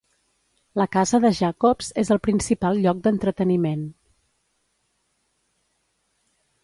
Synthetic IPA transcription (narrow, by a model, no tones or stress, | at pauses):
ləkazəðəʒakopz̥ezəlˠpɾinsipalˠʎɔk̚d̪ənt̪ɾət̪ənimen